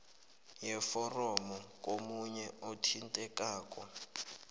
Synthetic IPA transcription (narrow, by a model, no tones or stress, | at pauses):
jɛfɔrɔmɔk̬ʼomuɲɛɔtʰintʼɛkaːk̬ʼɔ